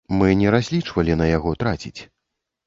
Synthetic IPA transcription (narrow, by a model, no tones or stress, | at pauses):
mɨnʲɛɾazʲlʲit͡ʂvɐlʲinɐjaɣɔt̪ɾat͡sʲḭt͡sʲ